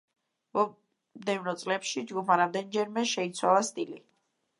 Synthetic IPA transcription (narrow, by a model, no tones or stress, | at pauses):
vɔ | md̪ɛvnɔt̪sʼlɛpʃid͡ʒɡupʰaɾamd̪ɛnd͡ʒɛɾmɛʃɛit̪sʰwalˠast̪ʼili